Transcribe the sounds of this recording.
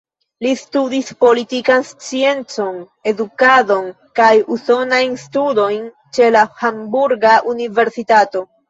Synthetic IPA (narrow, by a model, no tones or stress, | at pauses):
listudispo̞litikanst͡sie̞nt͡so̞n | e̞dukado̞n | kajuso̞najnstudo̞jn | t͡ʃe̞lahambuɾɡaʔunive̞ɾsitato̞